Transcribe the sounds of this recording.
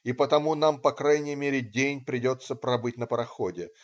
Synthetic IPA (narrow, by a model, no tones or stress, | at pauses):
ipət̪ɐmunampɐkɾajnʲɪjəmʲeɾʲɪdʲenʲpɾʲɪdʲo̞t̪sːəpɾɐbɨtʲnəpɾɐxodʲɪ